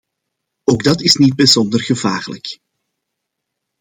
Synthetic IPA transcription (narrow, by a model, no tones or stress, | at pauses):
oːɡdɑtɪsnid̚bəzɔndərɣəvaːɣlə̰k